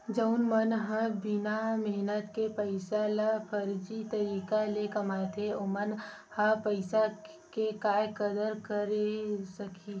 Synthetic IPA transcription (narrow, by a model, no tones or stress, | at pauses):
d͡ʒəʊnmənɦãbɪnamɛɦnət̪kepəɪsalapʰəɾd͡ʒit̪ɐɾiːkalekɐmaːet̪ʰeomən | hãpəɪsa | kekaːjkəd̪əɾkəɾesɐkʰi